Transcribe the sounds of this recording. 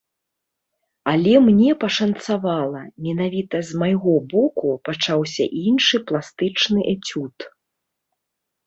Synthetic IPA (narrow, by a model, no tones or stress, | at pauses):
ɐlʲɛmnʲɛpɐʂɐnt̪savalˠɐmʲɛnavʲit̪ɐzmajɣɔbɔkupat͡ʂawsʲɐ̰ʔinʂɨplˠast̪ɨt͡ʂnɨʔɛt͡sʲut̪